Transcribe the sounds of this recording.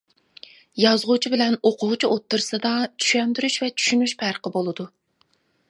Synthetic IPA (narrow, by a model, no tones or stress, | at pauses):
jɑzʁʊt͡ʃʰibɪlɛnoqʰʊʁt͡ʃʰiot̪ʰːuɾsɨd̪ɑt͡ʃʰy̥ʃɛnd̪yɾyʃvɛt͡ʃʰy̥ʃynyʃpʰæɾqəbolˠɨd̪u